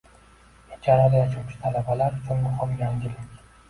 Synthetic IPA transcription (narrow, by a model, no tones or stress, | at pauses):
et͡ʃʰaɾad̪ajat͡ʃʰuʃɪ̥t̪ʰalabalaɾʊt͡ʃʰʊnmʊχɒmjaŋɡʲɪlɪkʲ